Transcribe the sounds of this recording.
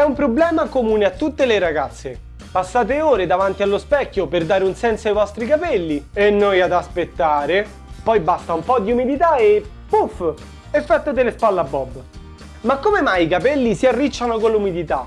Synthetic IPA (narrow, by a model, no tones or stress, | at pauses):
ɛumpɾoblɛːmakomuːneat̪ːut̪ːeleɾaɡat̪sːe | pasːaːt̪eoːɾed̪avant̪ialːospɛkːoperd̪aːɾeunsɛnsoajvɔst̪ɾikapɛlːienːojad̪aspet̪ːaːɾe | pɔjbast̪aumpɔd̪iumid̪it̪ae | puf | efːɛt̪ːot̪elespalːabːɔbː | makːomemajikapɛlːisiarːit͡ʃːanokonlːumid̪it̪a